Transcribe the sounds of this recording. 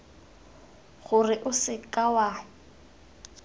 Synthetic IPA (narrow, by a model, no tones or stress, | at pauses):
ɣʊrɪʔʊsɪkʼawa